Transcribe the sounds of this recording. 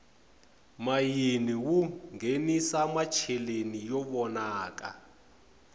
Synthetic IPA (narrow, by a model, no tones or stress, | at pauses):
majiniwuŋɡʱenisamat͡ʃʰɛlenijɔɓɔnaːk̬a̰